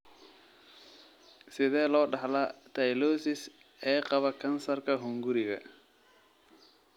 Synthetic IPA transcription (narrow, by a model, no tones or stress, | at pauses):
sɪðɛːlɔːɖɑħlat̪ʰɐjlɔːsɪs | ɛːqɑβɐkʰɐnsɐrkʰɐɦʊŋɡʊɾɪɣɐ̰